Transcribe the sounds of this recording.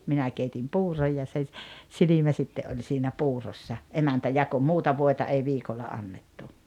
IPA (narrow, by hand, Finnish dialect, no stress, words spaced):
minæ keitim puːroj jɑ se s silimæ sitːe ʔolʲ siːnæ puːrosːɑ emæntæ jɑko muːtɑ ʋoˑetɑ ei ʋiːkolːɑ ɑnːetːu